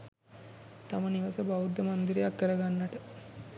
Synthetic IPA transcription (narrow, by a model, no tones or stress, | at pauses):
t̪aməniʋɐsəbaud̪ːəmɐnd̪iɾejakːəɾəɡanːɐʈə